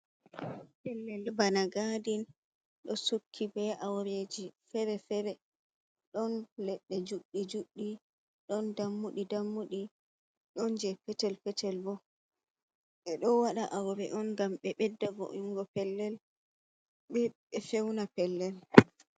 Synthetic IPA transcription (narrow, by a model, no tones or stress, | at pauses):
pɛlːɛlbanaɡadin | ɗɔsukʰːibɛʔawɾed͡ʒifɛɾɛfɛɾɛ | ɗɔnlɛɗːɛd͡ʒuɗːid͡ʒuɗːi | ɗɔndamːuɗidamːuɗi | ɗɔnd͡ʒɛpɛtɛlpɛtɛlbɔ | ɓɛɗɔwaɗaʔawɾɛʔɔnɡamɓɛɓɛdːavo̰ʔiŋɡɔpɛlːɛl | ɓɛɓɛfɛwnapɛlːɛl